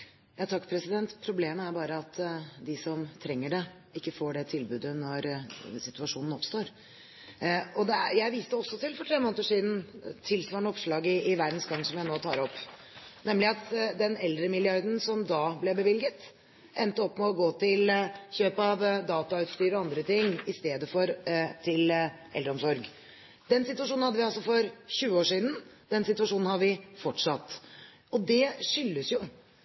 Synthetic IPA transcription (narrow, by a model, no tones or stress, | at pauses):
jɑːt̪ʰɑkːpʰɾɛsɪd̪ɛnt̪pʰɾʊbleːməæɾbɑːɾəɑt̪d̪ɪsɔmt̪ʰɾɛŋːəɖɛ | ɪkːəfoːɖɛt̪ʰɪlbʉːd̪ənɔɾsɪt̪ʉɑʂuːnən̩ɔpst̪oːɾ | ɔd̪ɛæ̰jæɪʋiːst̪əɔsːɔt̪ɪlfɔʈʰɾeːmoːnət̪əʂiːd̪n̩t̪ʰɪlsʋɑːɳəɔpʂɭɑːɡɪɪʋæɾd̪n̩sɡɑŋːsɔmjæɪnoːt̪ʰɑ̰ːɾɔpː | nɛmlɪɑt̪d̪ɛnɛld̪ɾəmɪljɪœɾd̪n̩sɔmd̪ɑblɛbəʋɪlɡət̪ | ʔɛnt̪əɔpːmɛɔɡoːt̪ʰɪlçøːpɑʋd̪ɑːt̪ɑʉt̪st̪yːɾɔɑnd̪ɾət̪ɪŋːɪst̪eːd̪əfɔɾt̪ʰɪl | ʔɛld̪ɾəɔmsɔɾɡ | d̪̥ɛnsɪt̪ʉʋɑʂ̬uːnnhɑd̪ːəʋɪɑlsɔfɔɾçʉːəoːʂiːd̪nd̪ɛnsɪt̪ʋɑʂuːnn̩hɑʋɪfɔʈʂɑt̪ː | ɔd̪ɛʂʏlːəsjʊ